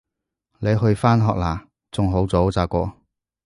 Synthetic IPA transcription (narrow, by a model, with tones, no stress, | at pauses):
le˨˧jɦɵ˧ɥfaː˥nɦɔː˨k̚laː˨˩ | t͡sʊ˨ŋɦo˨˥wt͡soː˨˥wt͡saː˧kʷɔː˧